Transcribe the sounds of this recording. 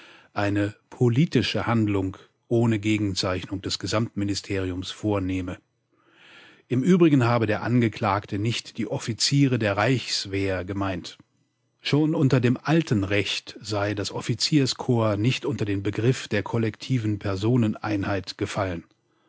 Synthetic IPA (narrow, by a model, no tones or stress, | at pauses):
ʔaɪnəpʰoliːtɪʃəhandlʊŋ | ʔoːnəɡeːɡŋ̩t͡saɪçnʊŋd̥ɛsɡ̥əzamtmɪnɪstʰeːʁ̞iʊmsfoːɐneːmə | ʔɪmʔyːbʁɪɡən̩haːbədeːɐʔanɡəkʰl̥aːktənɪçtd̥iːʔɔfit͡siːʁ̞ədeːɐʁaɪçsv̥eːɡəmaɪnt | ʃoːnʔʊntɐdeːmʔaltʰən̩ʁɛçtz̥aɪdasʔɔfit͡siːɐskʰoːɐnɪçtʔʊntɐdeːmbəɡʁɪfd̥eːɐkʰɔlɛktʰiːvn̩pʰɛɐzoːnənʔa̰ɪnhaɪtɡ̥əfalən